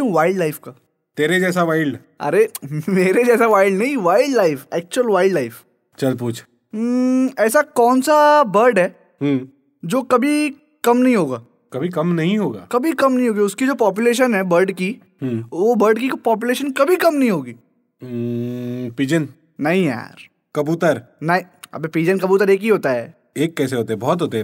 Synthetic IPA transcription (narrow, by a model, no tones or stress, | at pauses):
ũʋaːɪlɖlaːɪfkaː | t̪eːɾed͡ʒɛːs̬aʋaːɪɭɖ | ɐ̰ɾemeːɾed͡ʒɛːsaʋaːɪlɖnɐɦĩʋaːɪɖlaːɪfɛːk̚t͡ʃʊəlʋaːɪɖlaːɪf | t͡ʃɐlpuːt͡ʃʰ | ɛːsakɔːnsabɐɾɖɦɛː | ɦũː | d͡ʒoːkɐbʱi | kɐmnɐɦĩɦoːɡaː | kɐbʱikɐmnɐɦĩɦoːɡa̰ːkɐbʱikɐmnɐɦĩɦoːɡiʊskid͡ʒoːpɔːp̬jʊleːʃ̬ənɦɛbɐɾɖki | ɦːʋobəɾɖkikpɔːp̬jʊleːʃənkɐbʱikɐmnɐɦĩɦoːɡiː | piːd͡ʒən | nɐɦĩja̰ːɾ | kɐbuːt̪əɾnɐɦĩɐ̰bepiːd͡ʒənkɐbuːt̪əɾeːkɦiɦoːt̪aɦɛ̰ː | eːkːɛːseɦoːt̪eɦɛbɔːt̪ɦoːt̪eɦɛ